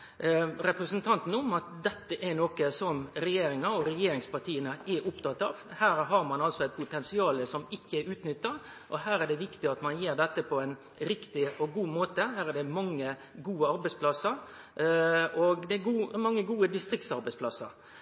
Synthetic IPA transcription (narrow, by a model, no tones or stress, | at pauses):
ɾɛpɾəsənt̪ʰɑnt̪n̩ʊmɑt̪̚d̪ɛt̪ːəʔæɾnoːkəsɔmɾɛjeːɾɪŋɑɔɾɛjeːɾɪŋspɑɾʈ̪ʰiːənəɛɾʊpt̪ʰɑt̪ːɑːʋhæːɾɦɑɾmɑnɑlsɔæɪpʰʊt̪ɛnsɪɑːləsɔmɪkːəɛɾʉːt̪nʏt̪ːɑ | ʔɔɦæːɾɛɖ̪ɛʋɪkt̪ɪɑt̪mɑnjeːɾɖ̪ɛt̪ːəpʰɔɛɪn | ɾɪkt̪ɪɔɡuːmoːt̪əɦæːɾɛɖ̪ɛmɑŋːə | ɡuːəɑɾbæɪspʰlɑsəɾ | ɔɡd̪ɛɡuːmɑŋːəɡuːəd̪ɪst̪ɾɪk̚t̪sɑɾbɛɪspʰlɑsːə̰ɾ